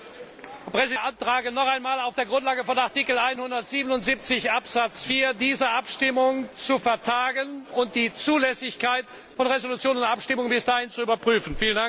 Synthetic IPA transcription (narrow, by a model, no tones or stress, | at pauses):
pʁ̥ɛziʔantʁ̥aːɡənɔχaɪnmaːlaʊfd̥eːɐɡʁʊntlaːɡəfɔnaʁtiːkl̩aɪnhʊndɐtz̥iːbənʊntz̥iːp̚t͡sɪçʔapz̥at͡sfiːɐdiːzɐʔapʃtɪmʊŋt͡sufɛɐtʰaːɡənʊnt̚d̥iːt͡suːlɛsɪçkaɪt | fɔnʁezolut͡sjoːnʊntʔapʃtɪmʊŋənbɪsd̥aːhɪnt͡suyːbɐpʁ̥yːfn̩fiːləndaŋk